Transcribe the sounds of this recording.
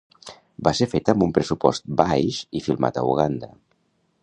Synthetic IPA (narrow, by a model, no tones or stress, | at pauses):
baseɾfet̪əmbumpɾəsupɔ̰st̪̚bajʃifilˠma̰t̪ə̰ṵɣand̪ə